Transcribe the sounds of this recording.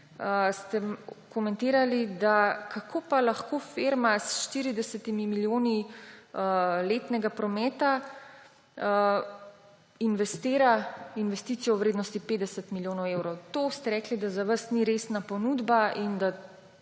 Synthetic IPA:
st̪ɛmkɔmɛnt̪eːɾalid̪akʰakʰoːpalaxkofeɾmasʃt̪iɾid̪ɛsɛt̪imimiljoːni | leːt̪nɛɡapɾɔmɛːt̪a | inʋɛst̪eːɾainʋɛst̪it̪sijɔwʋɾeːd̪nɔst̪ipeːd̪ɛsət̪miljoːnɔwewɾɔwt̪ost̪ɛɾɛːklid̪azaʋəsniɾesnapɔnuːd̪baʔind̪a

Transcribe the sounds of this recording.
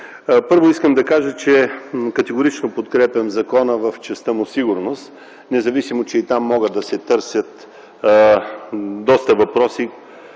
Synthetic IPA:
pɤɾvoiskəmd̪ɐkaʒət͡ʃɛkɐt̪ɛɡʊɾit͡ʃnopot̪kɾɛpʲɐmzɐkɔnəvɐft͡ʃɛst̪əmʊsiɡʊɾnost̪ | nɛzɐvisimot͡ʃɛit̪amːɔɡət̪d̪ɐsɛt̪ɤɾsʲjət̪ | d̪ɔst̪əvɐpɾɔsi

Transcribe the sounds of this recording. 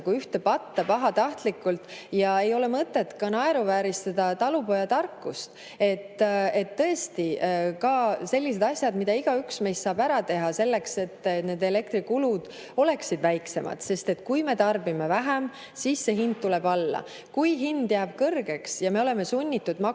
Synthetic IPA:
ɡuyht̪e̞pɑt̪ːɑpɑɦɑt̪ɑht̪likːˑult̪ˑjɑe̞jo̞le̞mɤt̪ːˑe̞t̪kɑnɑe̞ɾuvæːɾist̪ɑd̪̥ɑt̪ɑlupo̞jɑt̪ɑrkːˑust̪ | e̞t̪ːe̞t̪ːɤest̪ikɑselʲːis̬e̞d̪ɑsʲjɑd̪mid̪̥ɑiɡ̥ɑyksme̞jst̪sɑːb̥æɾɑt̪e̞ɦɑse̞lːe̞kse̞t̪ːne̞ːd̪e̞le̞k̚t̪ɾikulud̪̥ | o̞le̞ksid̪væjkse̞̰mɑ̰d̪̥se̞st̪e̞t̪kujme̞t̪ɑrbimevæɦem | siːsːe̞ɦind̪̥̚t̪uleb̥ɑlːɑ̰ | kujɦind̪̥jæːb̥kɤrɡ̥e̞ksjɑme̞o̞le̞me̞sunʲːit̪ːud̪mɑ

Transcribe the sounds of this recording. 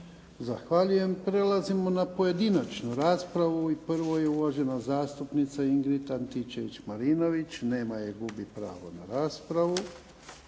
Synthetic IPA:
zaxʋaʎuje̞mpɾe̞lazimo̞napoje̞d̪inat͡ʃnuɾaːspɾaʋuipr̩ʋo̞je̞uʋaʒe̞nazaːst̪upnit̪saiŋɡɾit̪ant̪it͡ʃeʋit͡ʃmaɾino̞ʋit͡ʃne̞ːmajeɡubipɾa̰ːʋo̰naɾaːspɾaʋu

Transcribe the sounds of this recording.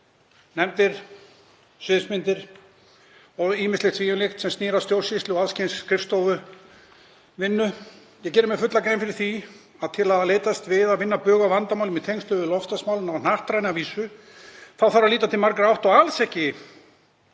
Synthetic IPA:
nɛmt̪ɪɾ̥ | sʏðsmɪnt̪ɪɾ̥ | ɔɣiːmɪst̪lɪt̪ʰviːjʏnlext̪sɛmsniːɾast̪jowlsɪst̪lɪɔaðscejnskʰɾɪfst̪oːwvʏ | vɪnːʏ | jɛɣcɛɾʏmɛfʏt̪lakɾejmfɪɾɪɾ̥θi | aðt̪ʰɪlaðleːjt̪ast̪vɪðaðvɪnːapœːɣavant̪amawlɪmɪt̪ʰejŋst̪ʏvʏlɔfst̪asmawlɪnawn̥aht̪ɾajnaviːsʏ | θawθaɾaliːt̪̬at̪ʰɪlmaɾkɾɪawht̪ɔɣalsɛhcːɪ

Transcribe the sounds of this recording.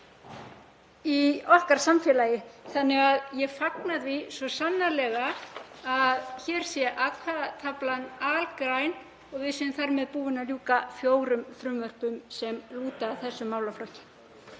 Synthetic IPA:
iɔhkaɾ̥samfɛːlajɪθanːɪɣaðjɛɣfaknaðvisvɔsanːalɛɣaaðçɛːɾ̥sjɛʔaðhaðat̪ʰaplanalkɾajn | ɔɣvɪðsɛʏmθaɾmɛðpuːvɪnaðljuːkafjoːwɾʏmfɾʏmvœr̥pʏmsɛmluːt̪aːθɛsːʏmːawlaflɔhcɪ̥

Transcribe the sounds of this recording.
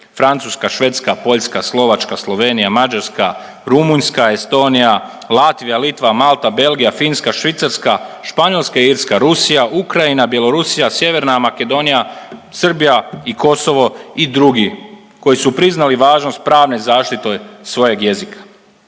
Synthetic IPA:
fɾant̪suskaʃʋe̞t̪skapo̞ʎskaslˠo̞ʋat͡ʃkaslˠo̞ʋe̞nijamad͡ʒaɾska | ɾumuɲskaest̪o̞ːnija | lˠat̪ʋijalit̪ʋamalt̪abe̞lˠɡijafinskaʃʋit̪saɾskaʃpaɲo̞lˠskaiiːɾskaɾusijaʔukɾainabje̞lo̞ɾusijasje̞ʋe̞ɾnamake̞d̪o̞nijasr̩bijaiko̞so̞ʋo̞id̪ɾuɡi | ko̞jisupɾiznaliʋaːʒnost̪̚pɾaːʋnezaːʃt̪it̪o̞jsʋo̞je̞ɡje̞zikʰḁ

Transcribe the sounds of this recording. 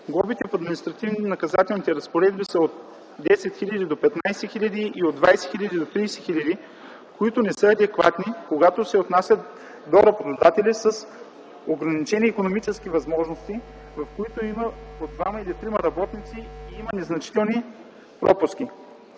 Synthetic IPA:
ɡlˠɔbit̪ɛfɐd̪minist̪ɾɐt̪ivninɐkɐzat̪ɛlˠnit̪ɛɾɐspoɾɛd̪bisəot̪ | d̪ɛsɛt̪xilʲɐd̪id̪opɛt̪najsɛxilʲɐd̪iʔiod̪vajsɛ̥xilʲɐd̪id̪ot̪ɾijsɛ̥xilʲəd̪i | koit̪onɛsɤɐd̪ɛkva̰t̪nikoɡat̪osɛot̪nasʲət̪ | d̪oɾɐbot̪od̪at̪ɛlisəs | oɡɾɐnit͡ʃɛniːkonomit͡ʃɛsk̟ivɐzmɔʒnost̪i | vɐfkoit̪oiməod̪̚d̪vamɐilit̪ɾimɐɾɐbɔt̪nit̪siiimənɛznɐt͡ʃi̥t̪ɛlˠni | pɾɔpʊski

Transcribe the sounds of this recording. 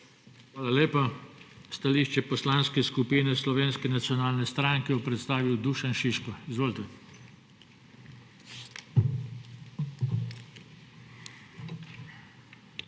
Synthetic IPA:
xʋaːlaleːpast̪aliːʃt͡ʃɛpɔslanskɛskupiːnɛslɔʋeːnskɛnat̪sijɔnaːlnɛst̪ɾaŋkɛjɔpɾɛt̪st̪aːʋiwd̪uːʃanʃiʃkɔizʋoːlt̪ɛ

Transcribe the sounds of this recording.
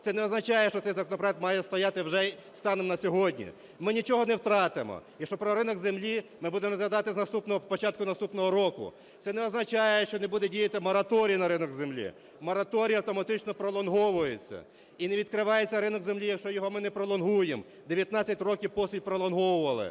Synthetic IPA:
t̪sɛnɛɔznɐt͡ʃɑjɛʃt͡ʃɔt̪sɛjzɐkɔnɔpɾɔjɛk̚t̪mɑjɛst̪ɔjɑt̪ɪwʒɛst̪ɑnemnɐsʲɔɦɔdʲnʲḭ | mɪnʲit͡ʃɔɦɔnɛwt̪ɾɑt̪ɪmɔ̰jikʃt͡ʃɔpɾɔɾɪnɔɡzemlʲimɪbud̪emɔzjʲɐd̪ɑt̪ɪznɐst̪upnɔɦɔpɔt͡ʃɑt̪̚kʊnɐst̪upnɔɦɔɾɔkʊ̰ | t̪sɛnɛɔznɐt͡ʃɑjɛʃt͡ʃɔnebud̪ɛdʲijɐt̪ɪmɔɾɐt̪ɔɾʲijnɐɾɪnɔɡzemlʲḭ | mɔɾɐt̪ɔɾʲijɐɐwt̪ɔmɐt̪ɪt͡ʃnɔpɾɔlˠɔnɦɔʋʊjet͡sʲːɐ̰ | ineʋʲid̪kɾɪʋɑjet͡sʲːɐɾɪnɔɡzemlʲijɐkʃt͡ʃɔjɔɦɔmɪnɛpɾɔlˠɔnɦujem | d̪eʋʲjɐt̪nɑt͡sʲːɐtʲrɔkʲiwpɔsʲilʲpɾɔlˠɔnɦɔwʊʋɐlˠɪ̰

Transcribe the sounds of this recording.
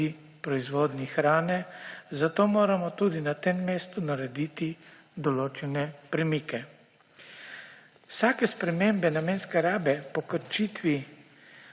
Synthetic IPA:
i | pɾɔizʋoːd̪nixɾaːnɛzat̪oːmoːɾamɔt̪ud̪inat̪emːeːst̪unaɾɛd̪iːt̪i | d̪ɔloːt͡ʃɛnɛpɾɛmikɛ | wsaːkɛspɾɛmembɛnamenskɛɾaːbɛpɔkəɾt͡ʃiːt̪ʋi

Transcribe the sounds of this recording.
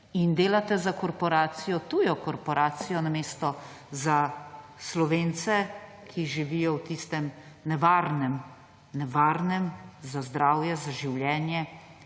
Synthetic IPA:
ind̪eːlat̪ɛzakɔɾpɔɾaːt̪sijɔt̪uːjɔkɔɾpɔɾaːt̪sijɔnameːst̪ɔ | zaslɔʋeːnt̪sɛ | kʰiʒiʋijɔwt̪ist̪ɛm | nɛʋaːɾnɛm | nɛʋaːɾnɛmzazd̪ɾaːwjɛzaʒiwljɛːnjɛ

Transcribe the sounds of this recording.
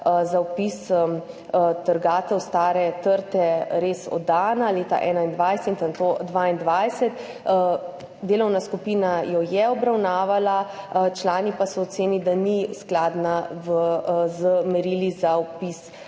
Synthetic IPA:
zawpis | t̪əɾɡaːt̪ɛwst̪aːɾɛt̪əɾt̪ɛɾeːsɔ̰d̪aːnaleːt̪a̰ʔɛːnaind̪ʋajsɛt̪ənt̪od̪ʋaːind̪ʋajsɛt̪ | d̪eːlɔwnaskupiːnajɔjɛɔbɾawnaːʋalat͡ʃlaːnipasɔɔt̪seːnid̪anisklaːd̪navzəmɛɾilizaɔpis

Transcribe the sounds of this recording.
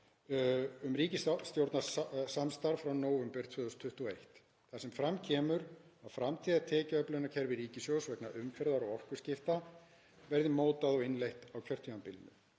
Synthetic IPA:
ʏmɾiːcɪsst̪jowɾt̪nassamst̪aɾfɾawnoːwvɛmpɛɾ̥t̪ʰʏːðʏst̪ʰʏht̪uɔejht̪ | θasɛmfɾamcʰɛːmʏɾawfɾamt̪ʰiːðat̪ʰɛːcaœplœnacʰɛɾvɪɾiːcɪsjowsvɛknaʔʏmfɛɾðaɾaɣɔr̥kʏ̥scɪft̪a | vɛɾðɪmoːwt̪aðɔɪnlejht̪awcʰœr̥t̪ʰimampɪlnʏ̰

